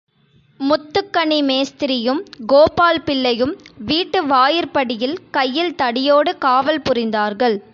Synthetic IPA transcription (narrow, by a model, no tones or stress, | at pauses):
mʊt̪ːɯkːɐɳimeːst̪ɪɾɪjɯmɡoːpaːlpɪɭːɐjɯmʋiːʈːɯʋaːjɪɾpɐɽɪjɪlkɐjːɪlt̪ɐɽɪjoːɽɯkaːʋɐlpʊrɪnd̪aːɾɣɐɭ